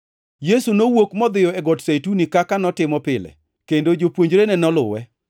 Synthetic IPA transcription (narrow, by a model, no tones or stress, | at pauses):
jesunowokmɔd̪ɪjɔɛɡɔtsetunikakanɔtɪmɔpɪlɛ̰ | kendod͡ʒopwoɲd͡ʒɾenɛnɔlʊ̰wɛ